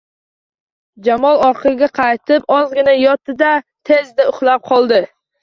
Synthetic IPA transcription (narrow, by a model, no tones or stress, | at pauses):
d͡ʒamɒlˠɒɾqʰɨɡʲaqʰɑjt̪ʰɪpɒzɡʲɪnajɒt̪ʰːɪd̪at̪ʰe̞zd̪aʊχlˠap̚qʰɒlˠd̪ɪ